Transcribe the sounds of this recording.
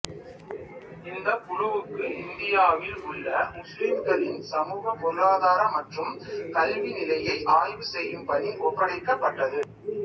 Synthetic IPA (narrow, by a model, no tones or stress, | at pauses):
ɪnd̪ɐkʊɻʊʋɯkːɯʔɪnd̪ɪjaːʋɪlʊɭːɐmʊsliːmɡɐɭɪnsɐmuːɣɐpɔlaːðaːɾɐmɐʈrɯmkɐlʋinɪlɐjɐɪʔaːjʋɯsɛjːɯmpɐðiʔɔpːɐɽɐɪkːɐpːɐʈːɐðɯ